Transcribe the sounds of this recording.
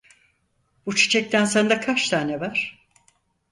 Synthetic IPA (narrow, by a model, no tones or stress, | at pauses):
b̥ut͡ʃʰi̥t͡ʃʰɛk̚t̪ʰænsand̪akʰat͡ʃt̪ʰaːnevaɾ̥